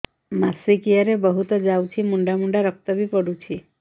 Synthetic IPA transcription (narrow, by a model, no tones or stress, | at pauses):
masikijaɾebəɦut̪ɔd͡ʒawt͡ʃʰimuɳɖamuɳɖaɾɔk̚t̪ɔbipɔɽut͡ʃʰi